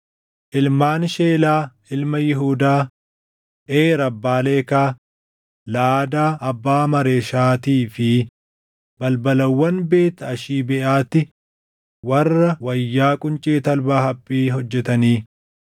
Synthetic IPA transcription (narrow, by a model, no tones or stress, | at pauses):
ʔɪlmaːnʃeːlaːʔɪlmɐjɪɦuːd̪aː | ʔeːɾɐbːaːle̞ːkaː | laːd̪aːʔɐbːaːmɐɾeːʃaːt̪iːfɪ | bɐlbɐlɐwːɐnbe̞ːt̪ːɐɐʃiːbɛʔaːt̪ːɪ | wɐrrːɐwɐjːaːkʼʊnt͡ʃʼeːt̪ɐlbaːhɐpʼːiːɦɔd͡ʒːɛt̪ɐniː